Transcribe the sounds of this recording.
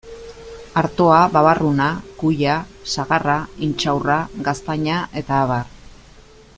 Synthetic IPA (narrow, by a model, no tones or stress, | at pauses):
aɾt̪o̞aβaβarunakuʎasaɣaraint͡ʃawraɡast̪aɲaʔe̞t̪aːβar